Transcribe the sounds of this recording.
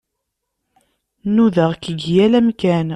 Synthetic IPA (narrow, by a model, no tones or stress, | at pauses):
nuðəʁkəɡjælæmkæn